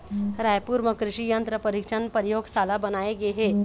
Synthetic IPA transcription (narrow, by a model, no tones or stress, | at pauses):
ɾajpuːɾməkɾɪʃijənt̪ɾəpəɾikʃənpəɾjoːɡsalabənaeɡeɦe